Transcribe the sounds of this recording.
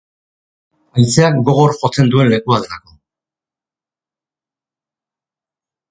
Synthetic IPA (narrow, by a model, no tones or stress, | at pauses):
ajnt͡seak̚ɡo̞ɣ̞o̞ɾxo̞t͡se̞nd̪ue̞nle̞kuaðelako̞